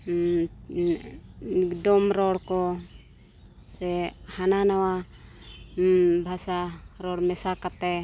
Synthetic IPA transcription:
idɔmɾɔɽkɔ | sɛhananawa | bʱasaɾɔɽmɛsakat̪ɛ

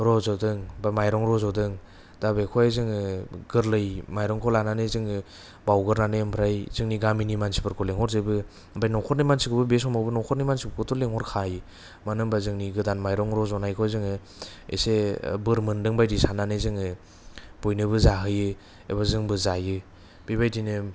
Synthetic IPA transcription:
ɾɔzɔdɯŋbamajɾɔŋɾɔzɔdɯŋ | d̥abekʰɔjzɯŋɯɡɯɾlɯjmajɾɔŋkʰɔlananɯzɯŋɯ | bawɡɯɾnanempʰɾajz̥ɯŋniɡaminimansi̥bɯɾkʰɔleŋhɔɾzɯbɯ | bajnɔwkʰɔɾ̚nijmansikʰɯbɯbes̬ɔmawbɯnɔwkʰɔɾnijmansipɯkʰɯtʰɔleŋhɔɾkʰajɯ | manɯŋbazɯŋniɡɯdanmajɾɔŋɾɔzɔnajkʰɔjzɯŋɯ | ḛsebɯɾmɯndɯŋbajdisananɯzɯŋɯ | b̥ojnɯbɯzaɦɯjɯ | ḛbazɯŋbɯzajɯ | b̥ibajdinɯ

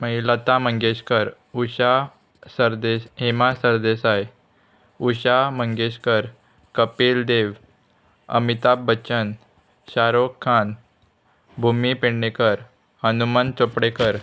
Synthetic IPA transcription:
məilat̪aməŋɡeɕkəɾ | uɕa | səɾd̪esɦemasəɾd̪esaj | uɕaməŋɡeɕkəɾ | kəpeld̪eʋ | ə̰mit̪abːət͡ɕən | ɕaɾokʰːan | bʱumipeɳːekəɾ | hənumant͡sopɽekəɾ

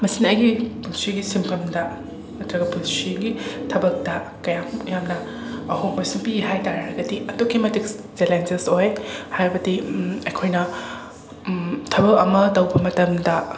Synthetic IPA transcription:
mɐsinɐɐjɡipulsiɡisimpʰɐmdɐ | mɐtɾɐɡɐpulsiɡitʰɐbɐk̚dɐkɐjamjamnɐ | ɐɦoŋmɐjsuŋpiɦajtaɾɐɾɐɡɐdiɐtokʰːimɐtiksd͡ʒelend͡ʒesojhajɾbɐdiɐjkʰojnɐ | tʰɐbɐkɐ̰mɐtɐwbɐmɐtɐmdɐ

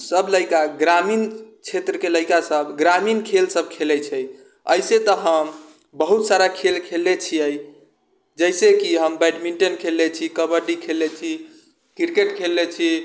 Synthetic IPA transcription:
səbləɪkaɡɾamint͡ʃʰet̪ɾəkeləɪkasəbɡɾaminkʰelsəb̚ʱkʰelɛt͡ʃʰɛj | ə̰jset̪əɦəm | bəɦut̪saɾakʰelkʰelːet͡ʃʰiəi | d͡ʒəjsekiɦəmbajʈmiɳʈənkʰelːet͡ʃʰikəbəɾɖikʰelːet͡ʃʰi | kiɾkeʈkʰelːet͡ʃʰi

